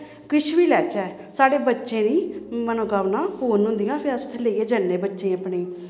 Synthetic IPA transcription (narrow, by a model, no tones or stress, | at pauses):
kɪt͡ʃʰʋiːlɛːt͡ʃɛː | saːɽeːbətːʃẽːniːmənõːkaːʋnãːɦoːnɦʊ̃nd̪ijãːpʰɪɾəsʊt̪ʰːẽːleieːd͡ʒənːẽːbətːʃẽːəpɳeː